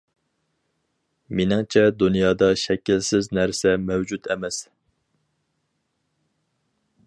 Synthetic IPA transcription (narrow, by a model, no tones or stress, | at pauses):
menɪŋt͡ʃʰɛd̪unjɑːd̪ɑʃɛkʲilsɪznæɾsɛmɛwd͡ʒut̪ʰɛmɛs